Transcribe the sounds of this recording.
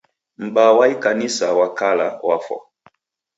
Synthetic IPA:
m̩ɓawaikanisawakala̰wafɔ̰

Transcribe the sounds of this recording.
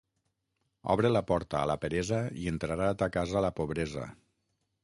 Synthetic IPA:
ɔ̰βɾelapɔɾt̪a̰ːlapeɾezəient̪ɾaɾaːt̪akazaːlapoβɾeza̰

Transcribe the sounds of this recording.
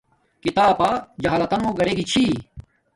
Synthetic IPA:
kit̪aːpaːd͡ʑɐɦaːlɐt̪ɐnõːɡɐɾeːɡit͡ɕʰi

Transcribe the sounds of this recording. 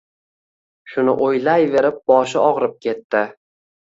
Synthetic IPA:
ʃʊnɪ̰ʔojlajve̞ɾɪp̚bɒʃɪɒʁɾɪp̚kʲʰe̞t̪ːɪ

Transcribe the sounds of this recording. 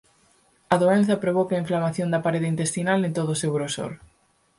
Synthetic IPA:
ɐðoenθɐpɾoβɔkɐiɱflamaθjond̪ɐpaɾeðint̪est̪inalnẽnt̪oðʊsewɾoso̰ɾ

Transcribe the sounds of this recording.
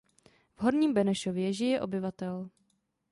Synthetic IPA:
vɦo̞ɾɲiːmbɛnɛʃovjɛʒɪjɛʔo̞bɪvat̪ɛl

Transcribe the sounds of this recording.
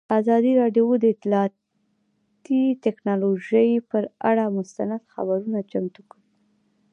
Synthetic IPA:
azɑd̪iɾɑɖjod̪əɪt̪lɑ | t̪it̪ɛknɑloʒəjpəɾa̰ɽamʊst̪anad̪xa̰baɾunat͡ʃamt̪ukəwi

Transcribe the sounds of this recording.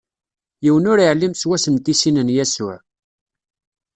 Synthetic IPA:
jiwənʊɾiʕlːimswæsənt̪isinənjæsʊ̰ʕ

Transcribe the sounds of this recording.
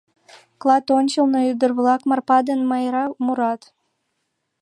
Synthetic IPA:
klˠɑt̪onʲt͡ɕəlˠnɤyd̪ərβlɑkmɑrpɑd̪ənmɑjɾɑmuɾɑt̪

